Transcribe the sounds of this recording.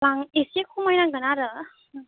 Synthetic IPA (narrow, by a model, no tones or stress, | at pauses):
laŋisekʰumajnaŋɡənaɾɯ